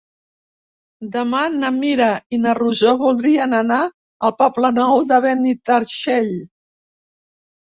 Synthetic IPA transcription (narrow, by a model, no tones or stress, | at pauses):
d̪əmanəmiɾəinəruzoβulˠd̪ɾiənəna | əlˠpɔplənɔwðəβɛnit̪əɾʃeʎ